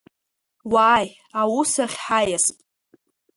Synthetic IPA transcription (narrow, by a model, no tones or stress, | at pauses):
waːj | awusaχʲħajastʼ